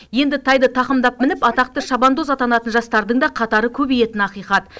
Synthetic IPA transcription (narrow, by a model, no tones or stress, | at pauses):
je̞nd̪ɪt̪ʰɑjd̪ɪt̪ʰɑqəmd̪ɑp̚mɪnɪpɑt̪ɑq̚t̪əʃɑbɑnd̪ozɑt̪ɑnɑt̪ənʒɑst̪ɑɾd̪əɴd̪ɑqʰɑt̪ɑɾəkʲʰɵbeje̞t̪ɪnɑqijqɑt̪